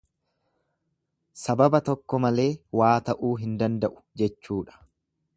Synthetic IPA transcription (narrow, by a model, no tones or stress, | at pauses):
sɐbɐbɐt̪ɔkːɔmɐle̞ːwaːt̪ɐʔuːɦɪnd̪ɐnd̪ɐʔʊ̥d͡ʒɛt͡ʃːuːᶑɐ̥